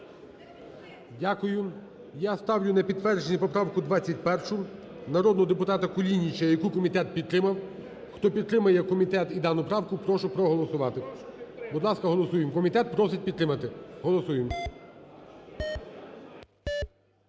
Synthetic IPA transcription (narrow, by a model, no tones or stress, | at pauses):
dʲakʊjʊ | jast̪ɑwjʲʊnɛpʲid̪̚ʋɛrd͡ʒenʲipɔpɾɑwkʊd̪ʋɑt͡sʲːɐt̚ʲpɛrʃʊ | nɐɾɔd̪nɔɦɔd̪epʊt̪ɑt̪ɐkʊlʲinʲit͡ʃɐjɐkukɔmʲit̪ɛt̪̚pʲid̪t̪ːɾɪmɐw | xt̪ɔpʲid̪t̪ɾɪmɐjɛkɔmʲit̪ɛt̪id̪ɑnʊpɾɑwkʊpɾɔʃʊpɾɔɦɔlˠɔsʊʋɑt̪ɪbʊd̪lˠɑskɐɦɔlˠɔsujemkɔmʲit̪ɛt̪̚pɾɔsɪt̚ʲpʲid̪t̪ɾɪmɐt̪ɪɦɔlˠɔsujem